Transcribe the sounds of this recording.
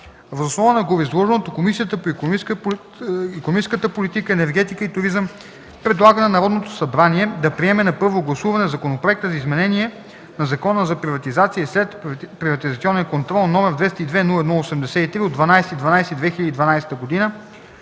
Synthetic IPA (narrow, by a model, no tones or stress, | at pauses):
vəzosnɔvənɐɡovizlˠɔʒɛnot̪okomisijət̪əpoi | ikonmit͡ʃskət̪əpolit̪ikəɛnɛɾɡɛt̪ikəit̪ʊɾizəm | pɾɛd̪lˠaɡənɐnɐɾɔd̪not̪osɐbɾaniɛd̪ɐpɾiɛmɛnɐpɤɾvoɡlˠɐsuvɐnɛzɐkonopɾoɛkt̪əzɐizmɛnɛniɛ | nɐzɐkɔnəzɐpɾivɐt̪izat̪siəslɛt̪pɾivɐt̪izɐt̪sʲiɔnɛnkont̪ɾɔlˠnɔmɛɾd̪vɛst̪əid̪vɛnulˠəɛd̪nulˠosɛmd̪ɛsɛit̪ɾiod̪vɐnajsɛt̪id̪vɐnajsɛid̪vɛxiʎʲəd̪id̪vɐnajsɛ̥t̪əɡod̪inə